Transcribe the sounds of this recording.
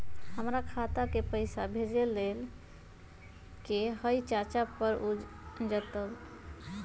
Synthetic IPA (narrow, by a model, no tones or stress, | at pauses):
həmɾakʰat̪akepəjsabʱed͡ʒelːel | kehəjt͡ʃat͡ʃapəɾu | d͡ʒət̪əl